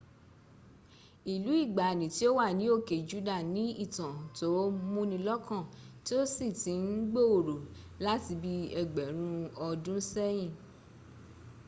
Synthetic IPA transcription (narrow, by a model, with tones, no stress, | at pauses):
i˨lu˨˦i˦˨ɡ͡ba˨nĩ˨ti˦o˦wa˦˨nĩ˨˦o˦˨ke˨d͡ʒu˨˦da˦˨nĩ˨˦i˦˨tã˨to˨˦mũ˦nĩ˧lɔ˦kã˦˨ti˦o˦si˦˨tĩ˨˦n̩˦ɡ͡bo˦˨o˨ɾo˨ | la˦ti˧bi˦ɛ˧ɡ͡bɛ˨˦ɾ̃ũ˦ɔ˧dũ˦sɛ˦j̃ĩ˦˨